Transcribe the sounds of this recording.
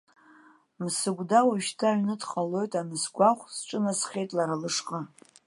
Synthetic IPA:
msɨɡʷdawaʃtʰaɥnɨdχalo̞jtʼamɨsɡʷaχʷsʈ͡ʂʼɨnasχʲe̞jtʼlaɾalɨʂqʼa

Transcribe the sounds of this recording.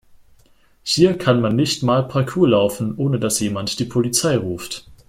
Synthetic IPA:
hiːɐkʰanmanːɪçtmaːlpʰaɐkʰuːlaʊfn̩ʔoːnədasjeːmantd̥iːpʰolit͡saɪʁuːft

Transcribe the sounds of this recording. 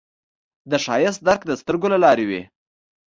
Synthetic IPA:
d̪əʃɑjɪs̬t̪̚d̪aɾkd̪əst̪əɾɡolalɑɾewḛ

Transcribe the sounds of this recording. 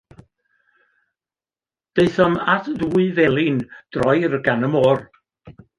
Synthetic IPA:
d̥eɨθɔmatʰðuːɨvɛlˠɪnd̥rɔjɾɡanəmɔːr

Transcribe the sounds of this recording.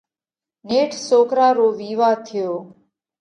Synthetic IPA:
neːʈʰsoːkɾaːɾoːʋiːʋaːt̪ʰɪjoː

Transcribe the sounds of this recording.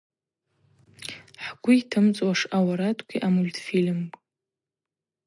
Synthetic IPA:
ħɡʷʊjtʰɨmt͡sʼwaʂawaɾatʰkʷʰiʔamulʲtʰʼfilmkʼ

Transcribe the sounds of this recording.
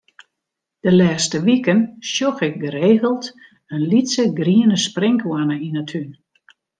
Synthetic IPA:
d̥əlɛːstəʋikənsjoxɪk̚ɡəɾeːɣəlˠt | ənlitsəɡriənəsprɪŋkwanəinətʰyn

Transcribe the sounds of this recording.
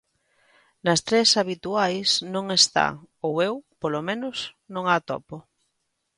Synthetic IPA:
nɐst̪ɾesaβ̞it̪uajsnõŋest̪a̰owewpolomẽnʊs | nõŋat̪ɔ̰po

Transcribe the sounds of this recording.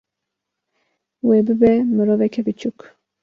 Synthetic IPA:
webɨbɛmɨɾoːvɛkʰɛbɨt͡ʃʰuk

